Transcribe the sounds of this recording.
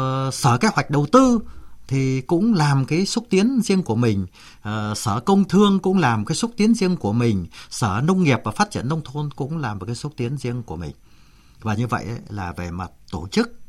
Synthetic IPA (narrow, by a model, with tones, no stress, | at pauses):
səː˧˩ka˨˦jhwa˨˩j̚ɗə˨˩wt̪ɨ˧t̪ʰi˨˩kʊ̰˧˥ŋ͡mlaː˨˩mkaː˨˦jsu˦˥t̚t̪i˨˦ənzi˧əŋku˧˩əmï˨˩ŋ̟ː˨˩ | səː˧˩kə˧wŋ͡mt̪ʰɨ˧əŋkʊ̰˧˥ŋ͡mlaː˨˩m˨kaː˨˦jsu˦˥t̚t̪i˨˦ənzi˧əŋku˧˩əmï˨˩ŋ̟səː˧˩nə˧wŋ͡mːi˨˩əp̚vaː˨˩faː˦˥t̚t͡ɕḭ˧˩ənːə˧wŋ͡mt̪ʰo˧nkʊ̰˧˥ŋ͡mlaː˨˩m̚˨˩kaː˨˦su˦˥t̚t̪i˨˦ənzi˧əŋku˧˩əmï˨˩ŋ̟ | vaː˨˩ɲɨ˧və̰˧˨jʔə˨˦laː˨˩ve˨˩maː˨˩t̚t̪o˧˩t͡ɕɨ˦˥k̚